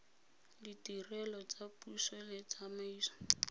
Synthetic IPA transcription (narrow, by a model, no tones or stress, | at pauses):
ditirɛlɔt͡sapusɔlɪt͡samaiːsɔ̥